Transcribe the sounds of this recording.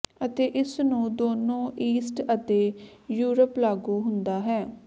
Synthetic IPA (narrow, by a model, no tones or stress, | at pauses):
ət̪eːʔɪsnũːd̪oːnõːiːsʈət̪eːjuːɾəplaːɡuːɦʊnd̪aːɦɛː